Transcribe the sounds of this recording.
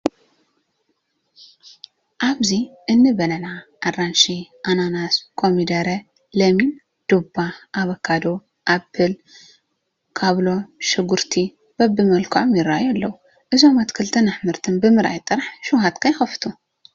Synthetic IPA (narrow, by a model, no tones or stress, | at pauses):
ʔaβziʔɨnːɨbɐlɐnaʔarːanʃiʔananaskʰomid̪ɐɾɐ | lɐmin | d̪̥ubaʔaβɐkʰːad̪o | ʔapʰːɨl | kʰaβlo̞ʃɨɡuɾt̪ʰi | b̥ɐbːɨmɐlkʰʕomjɪɾːajalːɐwu | ʔɨzo̞mat̪kʰɨlt̪ʰɐnaħmɨɾt̪ʰɨnbɨmɨɾʔa̰jt̪ʼːɨɾħʃuɦat̪kʰajxɐft̪ʰu